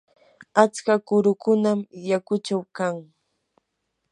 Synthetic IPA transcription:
at͡skakʊɾʊkʊnamjakʊt͡ʃawkaŋ

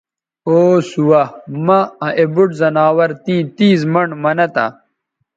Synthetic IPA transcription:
oːsuwɐmɐ̃ɐ̃ʔebuʈzɐnaːwɐɾt̪ĩːt̪iːzmɐɳɖmɐnɐt̪ɐ̰

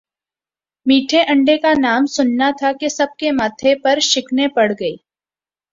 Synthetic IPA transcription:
miːʈʰeʔɐ̃ɳɖekanaːmsʊnːat̪ʰakesɐb̚kemaːt̪ʰepɐɾʃɪkʰnepɐɽɡɐiː

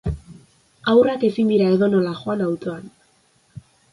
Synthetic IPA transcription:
awrake̞sind̪iɾae̞ðo̞no̞laʝo̞anawt̪o̞an

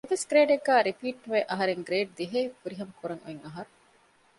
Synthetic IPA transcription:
eʋesɡɾeːɖeɡːæːɾipiːʈːʋeʔɐɦɐɾeŋɡɾeːɖ̚d̪iɦeːfuɾiɦɐmɐkuɾɐŋṵeŋɐɦɐɾu

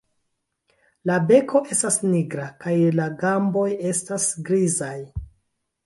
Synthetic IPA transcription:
labe̞kʰo̞ʔe̞stasniɡɾakajlaɡambo̞je̞stasɡɾizaj

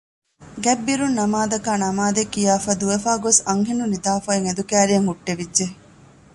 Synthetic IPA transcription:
ɡɛbːiɾunːɐmaːd̪ɐkaːnɐmaːd̪ekːijaːfɐd̪uʋefaːɡosɐŋɦenunid̪aːfɐeŋed̪ukæːɾijɐŋɦuʈːeʋidʒe

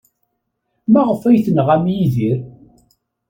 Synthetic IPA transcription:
mæʁəfæjθənʁæmjiðiɾ

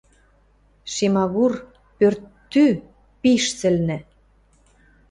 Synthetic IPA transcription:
ʃemɑβur | pørt̪ːy | piʃt͡sɘ̆lnɘ̆

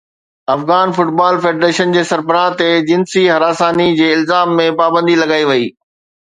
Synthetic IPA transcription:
ɐfɣaːnfʊʈbaːlfeːɖɾeːʃənd͡ʑeːsɐɾbəɾãt̪ed͡ʑɪnsiɦɐɾaːsaːnid͡ʑeːɪlzaːmːẽpaːbə̃nd̪ilɐɡaːiʋɐiː

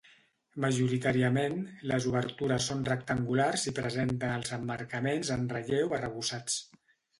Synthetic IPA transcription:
məʒuɾit̪aɾiəmenləzuβ̞əɾt̪uɾəsːonrəkt̪əŋɡularzipɾəzent̪ənəlˠzəmːəɾkəmenzənrəʎewərəβusat͡s

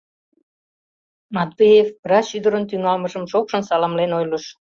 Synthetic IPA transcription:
mɑt̪bejefpəɾɑʃyd̪ə̆ɾə̆nt̪̬yŋɑlmɤʒə̆mʃokʃə̆nsɑlɑmlenojlə̆ʃ

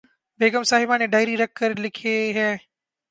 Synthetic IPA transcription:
beːɡəmsaːɦɪbãːnẽːɖaːɪɾiːɾɐk̚ʰːəɾlɪkʰeɦɛː

